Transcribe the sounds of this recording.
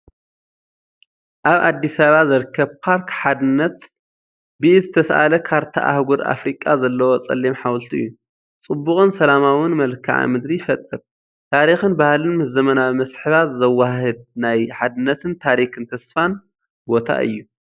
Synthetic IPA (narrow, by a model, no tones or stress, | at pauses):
ʔaβa̰d̪ːisaβazɐɾkʰːɐβpʰaɾkħad̪ɨnːɐt̪ | bɨʔizɨt̪ʰɐsʔa̰lɐkʰaɾt̪ʰa̰ʔa̰hɡuɾa̰fɾikʼazɐlːɐwot͡sʼɐ̰lːimħawlt̪ʰiʔɨjːu | t͡sʼɨbːʊχʼɨnsɐlamawɪnmɐlkʰa̰ʕa̰mɨd̪ɾijɪfɐt̪ʼːɨɾ | t̪ʰaɾixɨnbahlɨnmɨzɐmɐnaβmɐsħɨβat̪zɐwːaɦɨd̪̚najħad̪ɨnːɐt̪ʰɨnt̪ʰaɾikʰɨnt̪ʰɐsfan | bo̞t̪ʰa̰ʔɨ̰jːu